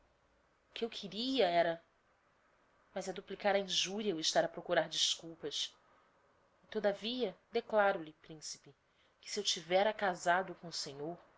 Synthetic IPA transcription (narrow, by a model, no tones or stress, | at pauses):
ʊkɪewkʰɪɾiɐɛɾɐ | mɐzɛd̪uplikaɾɐĩʒuɾiɐwɪʃt̪aɾɐpɾokuɾaɾd͡ʒiskuwpɐs | ɪt̪od̪ɐviɐd̪eklaɾʊlɪpɾĩsi̥pɪ | kɪ̥siewt͡ʃivɛɾɐkazad̪ʊkõʊsẽɲoɾ